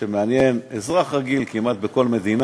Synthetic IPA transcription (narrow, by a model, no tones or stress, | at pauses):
emeanje̞nezʁaχʁaɡilkimat̪̚beko̞lme̞d̪in